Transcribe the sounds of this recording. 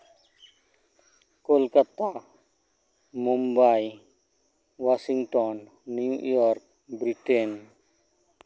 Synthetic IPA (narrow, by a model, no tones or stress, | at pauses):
kolkat̪a | mumbaj | wasiŋʈɔnː | ujɔɾk̚ | bɾiʈɛn